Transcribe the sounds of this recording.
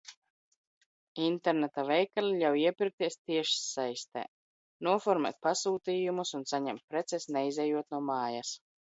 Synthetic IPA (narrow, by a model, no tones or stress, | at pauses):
int̪ɛɾnɛt̪avɛjkalʲiʎʲawiɛpʲiɾk̚t̪iɛst̪iɛʃi̥sajst̪ɛ̰ | nuɔfɔɾmɛ̰t̪̚pasuːt̪iːjumusunsaɲɛmt̪̚pɾɛt̪sɛsnɛjzɛjuɔt̪̚nuɔmaːjas